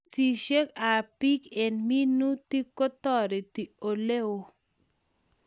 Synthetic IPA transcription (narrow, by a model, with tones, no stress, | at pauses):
si˨ʃe˦ka˨pi˦ke˨nmi˦nu˦t̪i˦kːo˦t̪ɔ˦˨ɾe˨ti˨o˨le˦o˦